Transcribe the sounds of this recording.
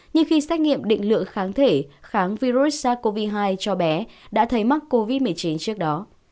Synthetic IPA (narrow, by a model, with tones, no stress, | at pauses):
ɲɨ˧ŋxi˧sɛ˦˥k̚ŋḭ˧˨əmɗḭ̈˧˨ŋ̟lɨ̰˧˨əŋxaː˨˦ŋt̪ʰe˧˩xaː˨˦ŋvi˧ɾu˦˥saː˧˩ko˧vi˧ɦaː˧jt͡ɕɔ˧ɓɛ˨˦ɗa̰ː˧˥t̪ʰə˨˦jma˦˥t̚ko˧vi˦˥t̚mɨ˨˩əjt͡ɕi˨˦nt͡ɕɨ˦˥ək̚ɗɔ˨˦